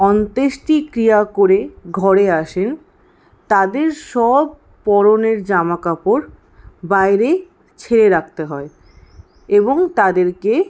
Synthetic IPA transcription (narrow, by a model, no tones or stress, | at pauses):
ɔnt̪eʃʈikɾijakoɾeɡʱɔɾeaʃen | t̪ad̪eɾʃɔb̚ | pɔɾoneɾd͡ʑamakapoɾ | bajɾe | t͡ɕʰeɾeɾak̚ʰt̪eɦɔe | eboŋt̪ad̪eɾke